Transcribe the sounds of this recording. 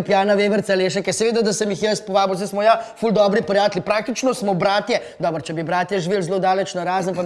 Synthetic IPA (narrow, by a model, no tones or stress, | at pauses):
pjaːnaʋeːʋəɾt̪saleːʃɛkɛsɛʋeːd̪ad̪asɛmjixjəst̪pɔʋaːbiwzɛsmɔjafuld̪ɔːbɾipɾjaːt̪lipɾaːkt̪it͡ʃnɔsmɔbɾaːt̪jɛd̪ɔːbɾt͡ʃɛbibɾaːt̪jɛʒiʋeːlzloːd̪aːlɛt͡ʃnaɾaːzənpa